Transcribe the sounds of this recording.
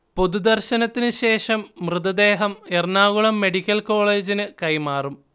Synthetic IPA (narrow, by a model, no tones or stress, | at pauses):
po̞d̪ud̪ɐrɕɐnɐt̪ːinɨɕe̞ːʂɐmːrɨðɐd̪e̞ːɦɐmernaːɣuɭɐmːe̞ɽikʲːɐlko̞ːɭe̞ːd͡ʑinɨkɐjmaːrum